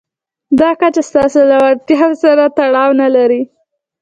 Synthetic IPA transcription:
d̪ɑkat͡ʃast̪ɑsolawaɽt̪jɑwsaɾat̪aɽɑwnalaɾi

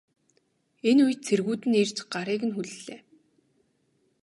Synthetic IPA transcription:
enuj̆t̪t͡sʰerɣuːt̪ɘ̆ner̥t͡ɕɢaɾiːkɘ̆nxuɮɘɮeː

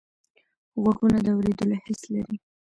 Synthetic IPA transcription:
ɣwaɡunad̪əawɾed̪əlohɪslaɾi

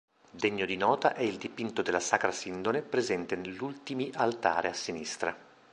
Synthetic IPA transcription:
d̪eɲːod̪inɔːt̪a̰ʔɛild̪ipint̪od̪elːasaːkɾasind̪onepɾezɛnt̪eneʎːult̪imiʔalt̪a̰ːɾeasːinist̪ɾa

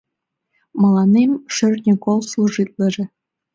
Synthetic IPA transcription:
mɑlˠɑnemʃø̆rʲnʲĕkolˠslˠuʐit̪lʲˠɤ̆ʐĕ

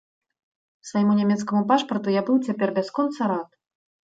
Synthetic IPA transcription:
svajɛmunʲamʲɛt̪skɐmupaʂpɐrt̪ujabɨwt͡sʲapʲɛrbʲaskɔnt̪sɐɾat̪̚

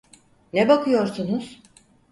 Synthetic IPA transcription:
nɛbakʰɯjo̞ɾsunuz̥

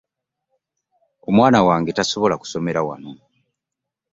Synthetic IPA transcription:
omwaːnawaːŋɡe̞taso̞βo̞laku̥so̞me̞ɾawa̰no

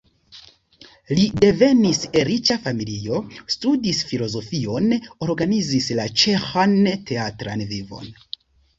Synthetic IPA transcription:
lide̞ve̞niseɾit͡ʃafamilio̞studisfilo̞zo̞fio̞no̞ɾɡanizislat͡ʃe̞xante̞atɾa̰nvivo̞̰n

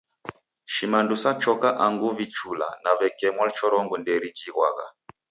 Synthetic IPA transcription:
ʃimandusat͡ʃɔkaʔaŋɡuvit͡ʃula̰naβɛkɛmwalt͡ʃɔɾɔŋɡundɛɾid͡ʒiɣwa̰ɣa̰

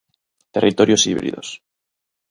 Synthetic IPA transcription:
t̪e̞rʔit̪o̞ɾjo̞siβɾḭðo̞̰s

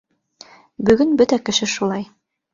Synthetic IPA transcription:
bɵ̆ɡɵnbɵt̪ækɘ̆ʃɘʃulˠɑj

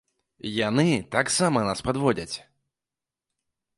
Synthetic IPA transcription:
janɨt̪aksamɐnaspad̪vɔd͡zʲɐt͡sʲ

